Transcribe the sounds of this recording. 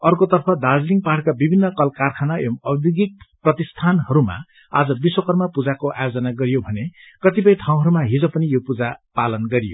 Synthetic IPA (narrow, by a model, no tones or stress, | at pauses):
ʌrkot̪ʌrpʰʌd̪ad͡zliŋɡpaʈʰkabibʱinːʌkʌlkarkʰanaemʌbibiɡik̪̚prʌt̪ist̪ʰanɦʌɾuma̰ | ad͡zʌbiswokʌrmʌpud͡zakoʔajod͡zʌnaɡʌɾijobʱʌne | kʌt̪ipʌj̃tʰaw̃ɦʌɾumaɦid͡zʌpʌnijopud͡zapalʌnɡʌɾijo̰